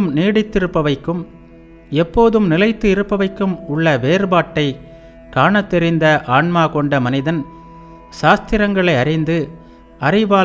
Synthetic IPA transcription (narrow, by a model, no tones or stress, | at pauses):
mniːɽɪt̪ːɪɾɯpːɐʋɐɪkːɯm | ɛpːoːðɯmnɪlɐɪt̪ːɯɪɾɯpːɐʋɐɪkːɯmʊɭːɐʋeːɾbaːʈːɐɪ | kaːɳɐt̪ːɛɾɪnd̪ɐʔaːɳmaːkɔɳɖɐmɐnɪðɐn | saːst̪ɪɾɐŋɡɐɭɐɪɐrɪnd̪ɯ | ɐrɪʋaː